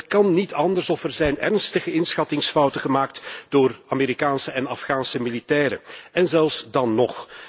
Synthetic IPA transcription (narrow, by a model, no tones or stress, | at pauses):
tkɑnːitɑndərsɔfɛrzɛjnɛrnstəɣəɪnsxɑtɪŋsfʌwtəɣəmaːk̚td̥oːrameːɾikaːnsəɛnɑfχaːnsəmilitɛːɾə̰ɛnzɛlˠfsdɑnːɔx